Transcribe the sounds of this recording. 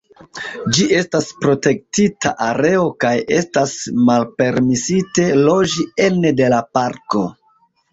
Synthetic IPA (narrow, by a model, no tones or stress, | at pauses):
d͡ʒiʔe̞staspɾo̞te̞k̚titʰaʔaɾe̞o̞kaje̞stasmalpe̞ɾmisite̞lo̞d͡ʒie̞nede̞lapaɾko̞